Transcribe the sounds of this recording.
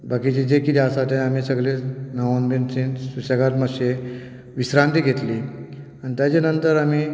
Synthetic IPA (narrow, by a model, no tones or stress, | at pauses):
bʱakit͡ɕid͡ʑekit̪iasat̪jaamisəɡlenəʋanbensinsusəɡat̪məɕe | ʋisɾãnt̪iːɡʱet̪liː | anit̪jat͡ɕenənt̪əɾamiː